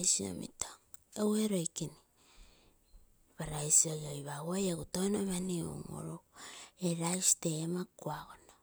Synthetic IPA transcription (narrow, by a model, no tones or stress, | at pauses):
jsio̰mḭto̥eweɾo̞jkini | βaɾajsiojiojβawojaɡutonoβanio̰ŋo̰ɾoeɾajsi̥te̞makuaɡono